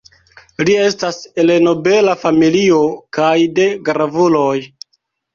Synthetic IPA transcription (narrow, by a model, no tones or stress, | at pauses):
lie̞stase̞leno̞be̞lafamilio̞kajde̞ɡɾavulo̞j